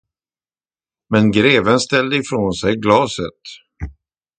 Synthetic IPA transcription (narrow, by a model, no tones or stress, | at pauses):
mɛnɡɾeːvənst̪ɛld̪əɪfɾoːnsɛjɡlɑːsət̪